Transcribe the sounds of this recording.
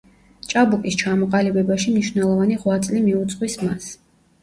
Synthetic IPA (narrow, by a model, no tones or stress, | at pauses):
t͡ʃʼabukʼist͡ʃʰamɔqʼalibɛbaʃimniʃvnɛlˠɔvaniʁwat̪sʼlimiut̪sʼqʼwismas